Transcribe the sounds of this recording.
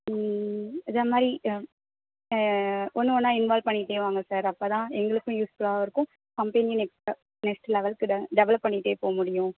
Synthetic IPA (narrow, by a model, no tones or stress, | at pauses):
ɪðemaːd̪ɾi | ʔɔnːɯɔnːaːɪnʋaːlpɐɳːɪʈːeːʋaːŋɡɐsaːɾɐpːoːt̪ãːɛŋɡɐɭɯkːʊ̃juːsfɯɭaːɪɾɯkːʊ̃ | kɐmpenɐnɛkɐ | nɛksʈlɛʋɐɭkːɯɖɛʋɐɭɐpːɐɳːiʈːeːpoːɐmʊɽɪjʊ̃